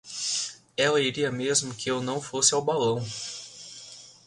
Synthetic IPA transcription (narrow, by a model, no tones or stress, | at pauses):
ɛlɐiɾiɐmezmʊkɪewnɐ̃w̃fosɪawbalɐ̃w̃